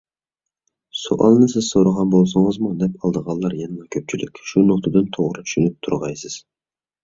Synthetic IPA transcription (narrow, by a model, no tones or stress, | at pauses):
so̰ʔɑ̰lˠnɨsɪz̥soɾəʁɑnbolˠsɨŋəzmud̪ɛpɑlˠd̪əʁɑlˠːɑɾjɛnmɑkʲʰøp̚t͡ʃʰilʔɪkʲʃunoqt̪ʰɨd̪ɨnt̪ʰoʁɾɨt͡ʃ̪ʰy̥ʃynyp̚t̪ʰuɾʁɑjsɪz̥